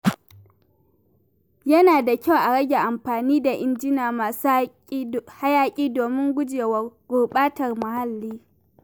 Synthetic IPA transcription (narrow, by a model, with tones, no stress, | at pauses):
jɐ˦naː˨da˨kʲa˦˨wʔa˨ɽɐ˦ɡʲe˨ʔa˨mɸaː˨niː˦da˨ʔɪ˨nd͡ʒɪ˦naː˨ma˨s | ha˦jaː˦kʲʼiː˦doː˨mɪ˦ŋɡʷʊ˦d͡ʒeː˨wɐ˦˨rɡ̥ʷʊː˨ɓaː˦tɐ˨rmʊ˨ha˦lːiː˦